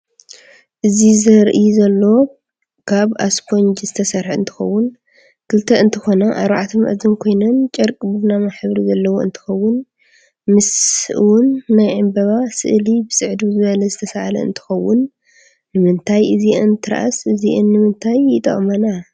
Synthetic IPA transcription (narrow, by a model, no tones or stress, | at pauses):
ʔɨzizɐɾʔizɐlːo̞ | kʰaβaskʰo̞nd͡ʒzɨt̪ʰɐsɐɾħɨ̰nt̪ʰɨ̥xɐwːʊn | kʰɨlt̪ʰɐɨnt̪ʰɨxo̞nɐʔa̰ɾβaʕat̪ʰɨmʔɐ̰zɨnkʰo̞jnɐnt͡ʃʼɐɾkʼbɨbnamaħβɾizɐlːɐwoɨ̰nt̪ʰɨ̥xɐwːʊn | mɨsɨ̰wʊnːajʕɨmbɐβasɨ̰ʔlibɨsʼɨʕd̪izɨβɐlɐzɨt̪ʰɐsaʔalɐ̰ɨ̰nt̪ʰɨ̥xɐwːʊnː | ɨmɨnt̪ʰajɨziʔɨnt̪ʰɨɾʔa̰sɨziʔɨnːɨmɨnt̪ʰajːɪt̪ʼɐ̰χʼmɐna